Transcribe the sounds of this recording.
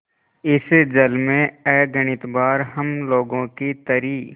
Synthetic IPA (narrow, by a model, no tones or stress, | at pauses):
ɪsed͡ʒəlmẽɛːɡəɽ̃ɪt̪baːɾɦɐmloːɡõkit̪ɐɾiː